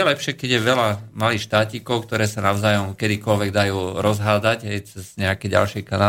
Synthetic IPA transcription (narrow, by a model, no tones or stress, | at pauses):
ɛlɛpʃɪɛkɛɟjɛʋɛlamaliːxʃt̪aːciːkɔʊkt̪ɔɾɛːsanaʊzaːjɔmkɛd̪ikɔlʋɛɡ̚d̪ajuːɾɔzɦaːd͡zaɟɦɛjt͡sɛz̥ɲɛakɛɟa̰lʃɪɛjkana